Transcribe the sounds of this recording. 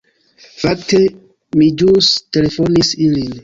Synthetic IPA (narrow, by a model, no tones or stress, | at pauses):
fakte̞ | mid͡ʒuste̞le̞fo̞nisilin